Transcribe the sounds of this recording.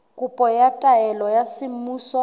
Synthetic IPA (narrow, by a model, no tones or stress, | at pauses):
kʼupʼɔjatʼaɛlɔjasɪm̩muːsɔ